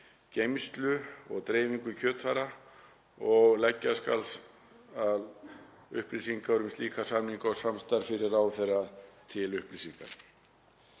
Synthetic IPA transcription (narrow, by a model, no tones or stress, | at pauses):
cejmst̪lʏɔɣt̪ɾeːjviŋkʏcʰœːt̪faɾa | ɔɣlɛcːaska̰ls | að | ʏhplisiŋkaœɾʏmst̪liːkasamniŋkɔsamst̪aɾ̥fɪɾɪɾaːwθejrːat̪ʰɪlʏhplisiŋka̰n